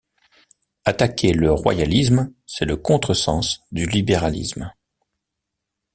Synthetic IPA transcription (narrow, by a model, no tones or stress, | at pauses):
at̪akʲʰeləʁwa̰jalismsɛləkɔ̃t̪χəsɑ̃sd̪ylibeʁalḭsm